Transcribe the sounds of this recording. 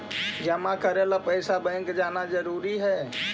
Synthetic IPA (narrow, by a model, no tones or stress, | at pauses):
d͡ʒəmãkəɾelapɛɪsabɛ̃ŋkd͡ʒaːnad͡ʒəɾuːɾiɦɛ